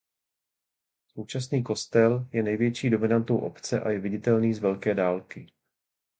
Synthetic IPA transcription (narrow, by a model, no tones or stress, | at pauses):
sowt͡ʃasniːko̞st̪ɛljɛnɛjvjɛt͡ʃiːdo̞mɪnant̪owʔo̞̰pt͡sɛʔajɛvɪɟɪt̪ɛlniːzvɛlkɛːdaːlkɪ